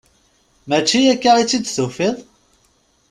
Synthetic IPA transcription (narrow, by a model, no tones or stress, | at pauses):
mæt͡ʃːijækːaʁit͡sːid̪θufiðˤ